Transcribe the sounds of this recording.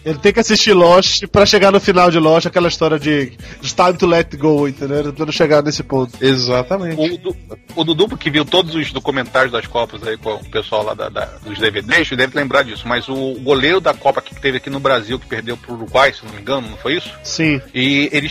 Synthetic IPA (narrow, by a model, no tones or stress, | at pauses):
elɪt̪ẽj̃kɪasiʃt͡ʃilɔʃɪpɾɐʃeɡanʊfinawd͡ʒɪlɔʃɪakɛlɐiʃt̪ɔɾiɐd͡ʒɪd͡ʒɪt̪ãjmt̪ulɛtɡowẽt̪ẽnd̪ewet̪ɐ̃psẽd̪ʊ̃ʃeɡanesɪpõnt̪ʊ̥ezat̪ɐmẽt͡ʃʊd̪uʊd̪ud̪uplʊkɪviwt̪od̪ʊzʊzd̪okumẽnt̪aɾjʊzd̪ɐskɔpɐzaikõʊpesuawla̰d̪ɐ̰d̪ɐ̰d̪ʊzd̪eved̪eʃd̪ɛvɪt̪lẽmbɾad͡ʒisʊmɐzʊːɡoleɾʊd̪ɐkɔpɐki̥kɪ̥t̪evɪakinʊbɾaziwkɪ̥pehd̪ewpɾʊuɾuɡwajsewnõmĩŋɡɐ̃nʊnɐ̃w̃fojisʊ̥sĩɪelɪ